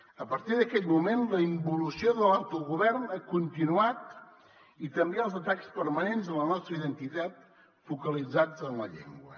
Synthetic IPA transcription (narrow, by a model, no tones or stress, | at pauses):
əpəɾt̪iðəkɛt̪mumenləimbulusioðəlawt̪uɣuβɛɾnakunt̪inuat̪ | it̪əmbeəlˠzət̪akspəɾmənenzələnɔst̪ɾəiðənt̪it̪at̪̚ | fukəlid͡zad͡zənlə̰ʎḛŋɡwə